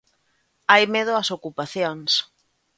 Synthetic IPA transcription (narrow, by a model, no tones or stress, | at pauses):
ajmeð̞ʊɐsokupaθjoŋs